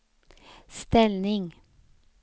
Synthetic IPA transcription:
st̪ɛlnɪŋ

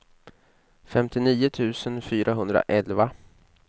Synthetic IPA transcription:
fɛmt̪ɪniːʊt̪ʰʉ̟ːsənfyːɾʔaɦɵnd̪ɾa̰ʔɛlva

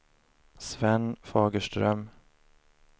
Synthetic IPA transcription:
svɛnfɑːɡəʂʈɾœm

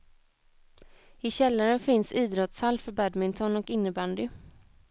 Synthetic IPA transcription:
ɪɕɛlːaɾənfɪnsiːd̪ɾɔt̪shalːfœɾbæd̪mɪŋt̪ʰɔnɔkɪnːəband̪ɪ

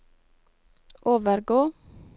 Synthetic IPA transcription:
ʔoːʋəɾɡoː

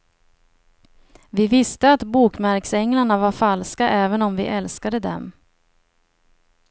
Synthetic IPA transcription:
vɪvɪst̪əat̪buːkmæɾksɛŋlaɳavaɾfalskaʔɛːvənɔmvɪ̰ʔɛlskad̪əd̪ɛ̰m

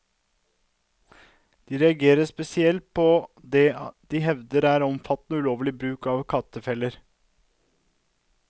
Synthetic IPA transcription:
d̪̥iːɾɛɑɡeːɾəspɛsɪɛlt̪̚pʰɔd̪ɛːd̪̥ɪɦɛʋd̪əɾæːɾɔmfɑt̪nəʉːloːʋlɪbɾʉːkɑʋkʰɑt̪əfɛlːəɾ

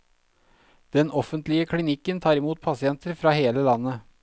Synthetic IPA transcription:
d̪̥ɛnʔɔfənt̪lɪəkʰlɪnɪkːənt̪ʰɑːɾɪmuːt̪̚pʰɑsɪɛnt̪əɾfɾɑːheːləlɑnːə

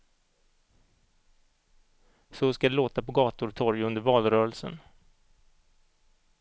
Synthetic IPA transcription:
sɔskad̪ɛloːt̪apɔɡɑːt̪ʊɾt̪ʰɔɾjɵnd̪əɾvɑːlɾœːɾəlsə̰n

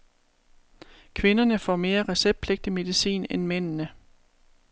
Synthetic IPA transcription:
kʰʋe̝nɐnəfɒ̰me̝ːɐʁɛseb̥̚pʰleɡ̥̚d̥əme̝ðˠisḭːnenmen̰nə

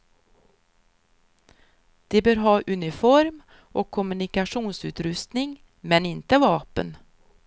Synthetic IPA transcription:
d̪̥ɛbœːɾɦɑːʔɵnɪfɔɾm | ʔɔkʰːɔmɵnɪkaʂuːnsʉ̟ːt̪ɾɵst̪nɪŋ | mɛnɪnt̪əvɑːpə̰n

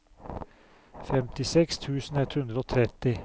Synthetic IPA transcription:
fɛmt̪ɪsɛkst̪ʰʉːsn̩ɛt̪hʉnd̪ɾəoːt̪ʰɾɛt̪ɪ

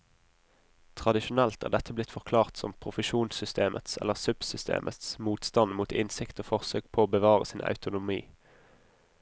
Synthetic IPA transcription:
t̪ʰʁɑd̪ɪʃʊnɛlt̪ʰæ̰ːʁd̪ɛt̪ʰəblɪt̪fɔʁkʰlɑːʁt̪sɔmpʰʁʊfəʃuːnsʏst̪eːmʔə̰t̪sɛ̰lːəʁsʉb̥sʏst̪ʰḛːmʔət̪smuːt̪st̪ɑnmuːt̪ɪnsɪkt̪oːfɔʁsøːɡ̥̚pʰoːoːbəʋɑːʁə̰sɪnʔɑ̰ʉt̪ʊnʊmiː

